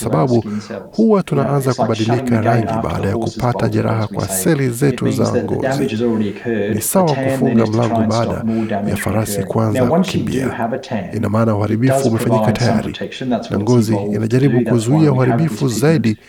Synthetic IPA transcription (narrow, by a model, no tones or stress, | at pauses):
saɓaɓuhuwatunaʔanzakuɓaɗilikɡkʰaɾaŋɡiɓa̰ːɗajakupataʄɛɾa̰ɦakwa̰sɛlizɛtuza̰ŋɡɔ̰ziinisawakufuŋɡam̩laŋɡɔɓaːɗa̰ja̰faɾasikuanzaukimbḭa̰inamaːnauhaɾiɓifuːmɛfaɲɲikataja̰ɾḭnna̰ŋɡɔziinaʄaɾiɓukuzuiauhaɾiɓifuzaiɗi